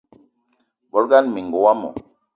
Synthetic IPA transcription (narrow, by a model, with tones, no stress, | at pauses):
bɔ˨lɡa˦nmi˨ŋ˨ɡo˨wa˦mɔ̰˨